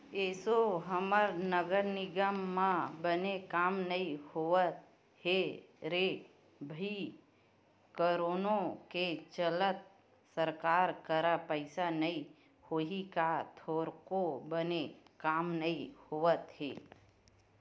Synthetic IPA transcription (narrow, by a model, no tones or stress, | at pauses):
eːsoɦəməɾnəɡəɾnɪɡəmːãbənekaːmnəihoət̪ | ɦeɾe | bʱi | kəɾoːnõket͡ʃələt̪̚ | səɾkaːɾkəɾapəɪsanəĩ | hoɦikat̪ʰoːɾkobənekaːmnəihoət̪ɦḛː